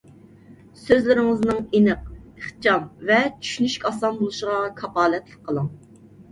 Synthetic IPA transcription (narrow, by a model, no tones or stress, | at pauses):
søzlɪɾɪŋɪznɨŋenɨq̚eχt͡ʃɑmvɛt͡ʃʰy̥ʃynyʃkʲɑsɑnbolˠuʃəʁɑkʰɑpɑːlɛt̪lɪk̚ʲqʰːəlˠəŋ